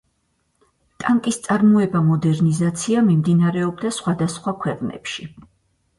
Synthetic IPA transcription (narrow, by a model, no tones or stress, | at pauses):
t̪ʼaŋkʼist̪sʼaɾmɔɛbamɔd̪ɛɾnizat̪sʰiamimd̪inaɾɛɔb̚d̪asχwad̪asχwakʰwɛqʼnɛ̰pʃi